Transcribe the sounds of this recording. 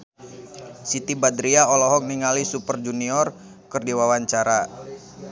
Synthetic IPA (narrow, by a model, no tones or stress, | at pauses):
sit̪ibad̪ɾiaɔlɔɦɔk̚niŋalisupərd͡ʒuniɔr | kɨrdiwawaɲt͡ʃaɾa